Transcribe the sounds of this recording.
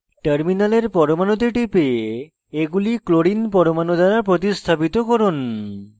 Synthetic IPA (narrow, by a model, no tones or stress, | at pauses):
ʈəɾminaleɾpɔɾomanod̪eʈipee | eɡulikloɾinpɔɾomanod̪aɾapɾot̪ist̪ʰapit̪okɔɾon